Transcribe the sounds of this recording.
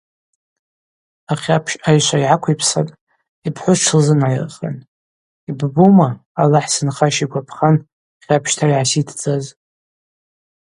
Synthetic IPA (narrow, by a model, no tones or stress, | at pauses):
aχʲapʰʃajʃʷaiʕakʷʰaipʰsa̰pʼ | ipʰħʷʊʈ͡ʂʰlzɨnʕajrχa̰n | ibbumaːlaħsɨnχaʃiɡʷapʰχan | χʲapʰʃtʰaiʕasitʰd͡zʼaz